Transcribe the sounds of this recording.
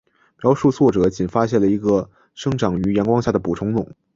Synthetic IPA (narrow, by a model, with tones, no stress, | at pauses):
mjɑ˧˥ʊʂu˥˧t͡sʰwɔ˥˩ʈ͡ʂɤ˨˩˦t͡ɕi˨˩nfa˥ɕjɛ˥˩nlə˩i˧˥ɡə˧ | ʂɤ˥ŋʈ͡ʂɑ˨˩˦ŋy˧˥jɛ˧˥nkwɑ˥ŋɕja˥˩d̪ə˩pu˨˩ʈ͡ʂʰʊ˧˥ŋnʊ˨˩˦ŋ